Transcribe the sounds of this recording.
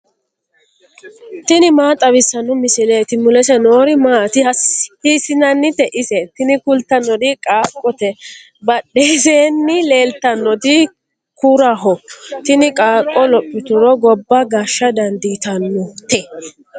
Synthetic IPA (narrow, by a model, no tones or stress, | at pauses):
t̪ɪnɪmaːt̪ʼɐβɪsːɐnʊmɪsɪleːt̪ɪmːʊlɛsɛnoːɾɪmaːt̪ɪhɐsisɪnɐnːɪt̪ɛʔɪsɛt̪ɪnɪkʊlt̪ːɐnːɔd̪ɪkʼaːkʼːɔt̪ɛ | bɐɗːeseːnːɪle̞ːlt̪ɐnːɔd̪ɪ | kuːɾaɦɔt̪ɪnɪkʼaːkʼːɔlɔpʼːɪt̪ʊɾɔɡɔbːɐɡaːʃːɐd̪ɐnd̪it̪ɐnːɔt̪ɛ